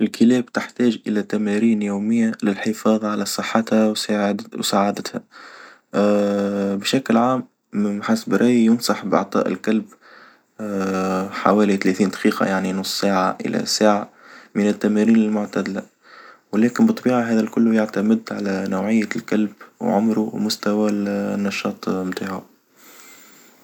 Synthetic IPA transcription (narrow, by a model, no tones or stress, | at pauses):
ʔɪlkɪlɛːbt̪ɪħt̪æːʒʔɪlæt̪æmæɾiːnjoːmɪjːalɪlħɪfɑːðˤɑʕalæsˤɨħːɑt̪hæwwsaʕad̪ət̪hæ | bʃaklʕaːm | ħasbɾɑːjjʊnsˤɑħbʔɑ̰ʕt̪ˤɑ̰ːʔɪ̰lkalb | ħa̰wæːlit̪læθiːnd̪ɑ̥qiːqɑ̰jaʕninʊsˤsaːʕaʔɪ̰læ̰saːʕa | mɪnɪt̪ːæmæɾiːnɪlmʊʕt̪æd̪læ | wlæːkɪnbɨt̪ˤːɑbiːʕaɦæːðælkʊlːʊjaʕt̪amɪd̪ʕalænawʕɪjːalkalbwʕʊ̰mɾumʊst̪æwælnːɑʃɑːt̪ˤmt̪aʕʊ̰